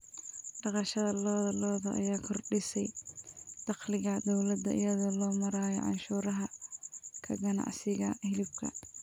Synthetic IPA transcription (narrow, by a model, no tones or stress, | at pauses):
ɖɑqɑʃɐðɐlɔːðɐlɔːðɐʔɐ̰jaːkʰɔrɖɪsɛj | d̪̥ɑqlɪɣɐd̪ɔwlɐd̪ɐʔɪ̰jɐðɔlɔːmɐɾaːjɔ̰ʕɑ̰nʃuːɾɐɦɐ | kʰɐɡɐnɑ̰ʕsɪɣɐhɪlɪb̚kʰɐ̰